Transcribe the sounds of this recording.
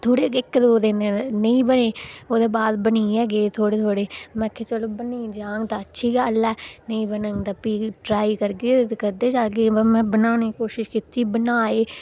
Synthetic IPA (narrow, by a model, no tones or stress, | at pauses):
t̪ʰoːɽeːɪkd̪oːd̪enenəĩːbəneːoːd̪eːbaːd̪bəniːɛːɡeːt̪ʰoːɽeːt̪ʰoːɽeːmɛ̃ːkʰːeːt͡ʃəloːbəniːd͡ʒaːŋɡt̪aːətːʃʰiːɡaːəlːaːnəĩːbənəŋd̪apiːʈɾaːikəɾɡeːt̪kəd̪eːd͡ʒalɡeːmɛ̃ːbənaːneːkoːʃɪʃkit̪ːiːbənaːeː